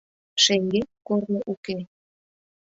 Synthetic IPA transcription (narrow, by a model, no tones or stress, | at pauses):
ʃeŋɡekornəʔuke